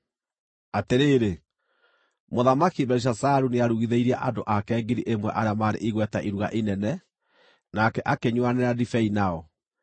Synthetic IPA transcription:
ateɾeːɾe | moðamakibɛɾiʃ̬asaɾuneaɾuɣiðeiɾiaʔadoʔakɛːɡiɾiʔemwɛ̰ʔaɾeamaɾḛʔiɣwɛtaʔiɾuɣa̰ʔinɛnɛ | nakɛʔakeɲwanɛɾadifɛinaɔ

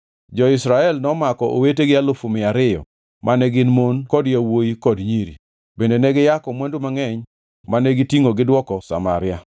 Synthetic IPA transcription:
d͡ʒɔɪsɾaɛlnɔmakɔʔo̰weteɡɪalʊfumɪaɾɪjɔ̰ | mʔanɛɡɪnmonkɔdjawojikɔdɲiɾḭ | bendenɛɡɪjakɔmwandumaŋɛɲ | manɛɡitiŋoɡɪdwɔkɔsa̰maɾɪja

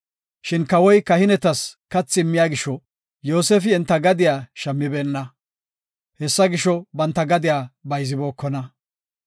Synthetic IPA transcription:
ʃɪnkɐwɔjkɐhɪnɛt̪ɐskɐt͡sːɪɪmːɪjaːɡɪʃːɔ | jo̞ːseːfɪɛnt̪ːɐɡɐd̪ɪjaːʃɐmːɪbe̞ːnːɐ | hɛsːɐɡɪʃɔbɐnt̪ːɐɡɐd̪ɪjaːbɐjzɪbo̞ːkːɔnɐ

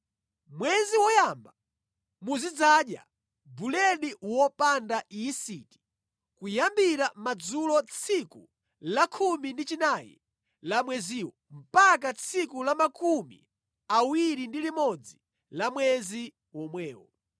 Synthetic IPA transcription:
mwɛziwɔjamba | muzid͡zaːɗja̰ | bulɛɗiwɔpandaisiti̥ | kujambiɾamad͡zulɔt͡sʰiku | lakʰumindit͡ʃinajɛ̰ | lamwɛziːwɔ | m̩pakat͡sʰikulamakʰumḭ | awiɾindilimɔd͡zi | lamwɛzi | wɔmwɛːwɔ̰

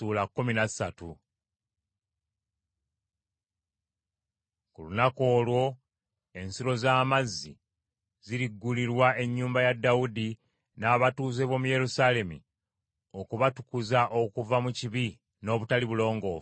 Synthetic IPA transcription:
uːlakːuminḁsatu | kulunako̞ːlwo̞ | e̞nsiɾo̞zaːmazːi | ziɾiɡːuliɾwae̞ɲːuːmbajadːaudi | naːβatuːze̞βomuje̞ɾusale̞mḭ | o̞kuβatu̥kuzaʔo̞kuvamuciβi | no̞ːβutaliβulo̞ːŋɡo̞ː

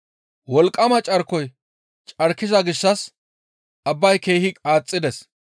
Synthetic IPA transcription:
wɔlkʼːɐmɐt͡ʃʼɐɾkːɔj | t͡ʃʼɐɾkːɪzɐɡɪʃːɐs | ʔɐbːɐjke̞ːhɪkʼaːt͡sʼːɪd̪ɛs

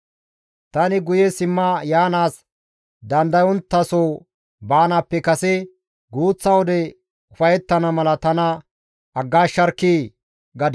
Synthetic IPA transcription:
t̪ɐnɪɡʊjɛsɪmːɐjaːnaːs | d̪ɐnd̪ɐjɔnt̪ːɐsoː | baːnapːɛkɐsɛ | ɡuːt͡sːɐwɔd̪ɛ | ʊfɐjɛt̪ːɐnɐmɐlɐt̪ɐnɐ | ɐɡːaːʃːɐɾkːiː | ɡɐd̪

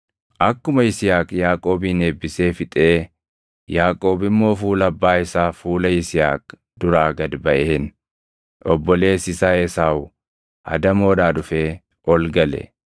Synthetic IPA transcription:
ʔɐkːʊmɐɪsɪjaːkʼjaːkʼo̞ːbiːne̞ːbːɪse̞ːfɪt̪ʼe̞ː | jaːkʼo̞ːbɪmːo̞ːfuːlɐbːaːɪsaːfuːlɐɪsɪja̰ːk̚ | d̪ʊɾaːɡɐd̪bɐʔeːn | ʔɔbːɔle̞ːsɪsaːeːsaːʊ | ɐ̰d̪ɐmo̞ːd̪aːd̪ʊfeː | ʔɔlɡɐlɛ̰

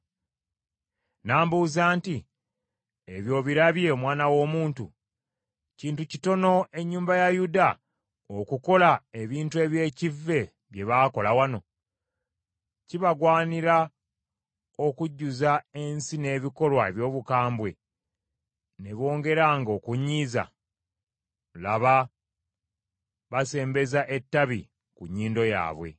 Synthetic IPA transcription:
naːmbuːzaːnti | eβjo̞ːβiɾaβje̞omwaːnawo̞ːmuːntṵ | ciːntucito̞no̞e̞ɲːuːmbajajuda | okuko̞lae̞βiːntue̞βje̞ːcivːe̞ | βje̞βaːko̞lawano̞ | ciβaɡwaːniɾa | o̞kuɟːuzae̞nsine̞ːβiko̞lwaeβjo̞ːβukaːmbwe̞ | ne̞βo̞ːŋɡe̞ɾaŋɡokuɲiːza̰ | laβa | βase̞ːmbe̞zaʔe̞tːaβḭ | kuɲːiːndo̞ja̰ːβwe̞̰

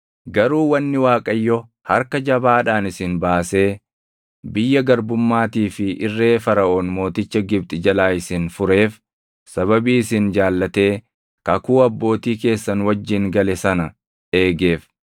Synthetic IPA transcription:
ɡɐɾuːwɐnːɪwaːkʼɐjːɔ | hɐɾkɐd͡ʒɐbaːᶑaːnɪsɪnbaːse̞ː | bɪjːɐɡɐɾbʊmːaːt̪iːfɪʔɪrːe̞ːfɐɾɐʔoːnmo̞ːt̪ɪt͡ʃːɐɡɪb̚t̪ʼɪd͡ʒɐlaːɪsɪnfʊɾe̞ːf | sɐβɐbiːɪsɪnd͡ʒaːlːɐt̪e̞ː | kɐkuːɐbːo̞ːt̪iːke̞ːsːɐnwɐd͡ʒːɪŋɡɐlɛsɐnɐ | e̞ːɡe̞ːf

